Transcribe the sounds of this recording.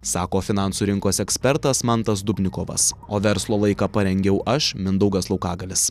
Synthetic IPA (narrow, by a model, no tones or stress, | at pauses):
sɑːkoːfʲɪnɑˑnsuːɾʲɪŋkoːsɛksʲpʲɛɾt̪ɐsmɑnt̪ɐsd̪ʊpʲnʲɪkoːʋɐ̰soːʋʲɛɾslˠoːlˠɐɪkɑːpɐɾʲɛŋʲɡʲɛʊʔɐʃmʲɪnd̪ɐʊɡɐslˠɒʊkɑːɡɐlʲɪs